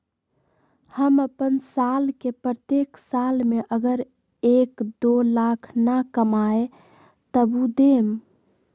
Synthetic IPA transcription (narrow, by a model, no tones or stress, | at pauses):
həməpənsalkepɾət̪eksalmeʔəɡəɾ | ekd̪olakʰnakəmae | t̪əbud̪em